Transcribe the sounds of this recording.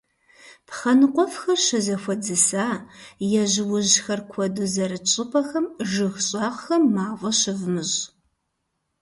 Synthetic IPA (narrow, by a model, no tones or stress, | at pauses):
pʰχɐnɨqʷʼɔfxɐrɕɪzɐxʷɔd͡zɨsaːjɛʑwʊʑxɐrkʷʰɔdʊzɐɾɨt͡ʃʼɪpʰɐxɐmʒɨxɕʼɑʁxɐmːaːvʷɐɕɪvmɨʑ